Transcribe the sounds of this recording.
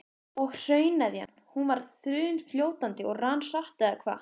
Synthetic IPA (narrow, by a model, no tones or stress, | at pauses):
ɔɣr̥œːɥnaðja̰nːhunvaɾθɾʏːʏnfljoːwt̪ant̪ɪɔɣransaht̪aakʰva̰ː